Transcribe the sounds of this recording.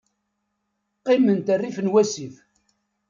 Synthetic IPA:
qːɪmənt̪ərːifnwæsiθ

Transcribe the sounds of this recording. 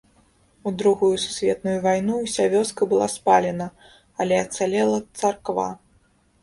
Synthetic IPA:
ud̪ɾuɣujusu̥sʲvʲɛt̪̚nujuvajnusʲavʲɔskɐbɨlˠa̰spalʲɛnɐ | ɐlʲɛɐt̪salʲɛlˠɐt̪sarkva̰

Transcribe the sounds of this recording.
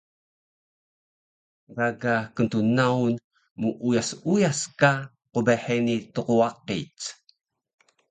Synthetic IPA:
raɡakənt̪unaun | muʔujasujaska | qubeħenit̪uquwaqḭt͡s

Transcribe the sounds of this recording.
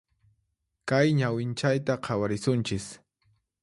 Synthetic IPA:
kajɲawɪnt͡ʃajt̪aqʰɑwaɾɪsʊnt͡ʃɪs

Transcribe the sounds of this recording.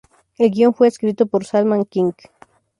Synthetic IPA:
elɡioŋfweːskɾit̪opoɾsalmãŋkiŋk

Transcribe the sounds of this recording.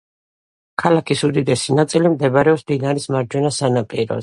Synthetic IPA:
kʰalakʰisud̪id̪ɛsinat̪sʼilimd̪ɛbaɾɛɔsd̪inaɾismaɾd͡ʒwɛnasanapʼiɾɔ̰

